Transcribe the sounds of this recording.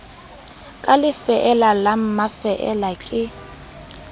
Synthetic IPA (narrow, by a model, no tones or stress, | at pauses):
kʼalɪfɛʔɛlalam̩mafɛʔɛlakʼɪ